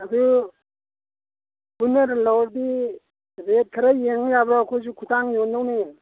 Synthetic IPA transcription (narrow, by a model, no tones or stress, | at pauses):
adu | punaɾlɔwɾdi | ɾet̚kʰaɾajeŋjabɾakʰɔzukʰutʰaŋjɔndawne